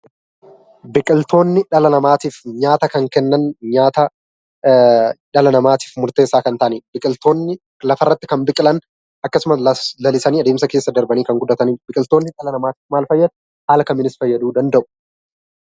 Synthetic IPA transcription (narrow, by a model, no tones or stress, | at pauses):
bɪkʼɪlt̪ʰo̞ːnːɪᶑɐlɐnɐmaːt̪iːfɲaːt̪ɐkɐŋkɛnːɐnɲaːt̪ɐ | ᶑɐlɐnɐmaːt̪i̥ːfmʊɾt̪eːsːaːkɐnt̪aʔniːbɪkʼɪlt̪o̞ːnːɪ | lɐfɐrːɐt̪ːɪkɐmbɪkʼɪlɐn | ʔɐkːɐsʊmɐɐlɐlɪsɐniːɐd̪eːmsɐke̞ːsːɐd̪ɐɾbɐniːkɐŋɡʊd̪ːɐt̪ɐniːbɪkʼɪlt̪o̞ːnːɪᶑɐlɐnɐmaːt̪i̥ːfmaːlfɐjːɐd̪ | haːlɐkɐmɪnɪsfɐjːɐd̪uːd̪ɐnd̪ɐʔʊ̥